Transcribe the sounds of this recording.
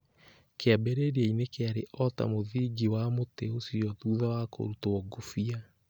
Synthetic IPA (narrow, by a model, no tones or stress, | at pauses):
keabeɾeɾiainekeaɾeʔɔta̰moðiɡiwamoteosiɔtuːðawako̰ɾutoɔɡofia